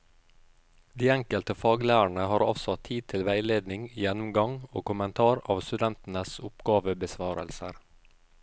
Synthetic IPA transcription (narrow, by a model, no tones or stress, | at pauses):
d̪iːæŋkəlt̪əfɑːɡlæːəɳəhɑːɾɑ̰sɔt̪ʰiːt̪ʰɪlʋæɪleːd̪nɪŋjɛnʊmɡɑŋo̰ːkʊmənt̪ʰɑːɾɑ̰ːʋst̪ʉd̪ɛnt̪n̩əsʊpɡɑːʋəbəsʋɑːɾə̰lsə̰ɾ